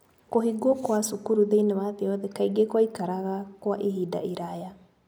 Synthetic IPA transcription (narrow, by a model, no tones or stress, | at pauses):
koɦiɡokwasukuɾuðeinewaðeɔðekaiɡekwaikaɾaɣakwaʔiɦida̰iɾaja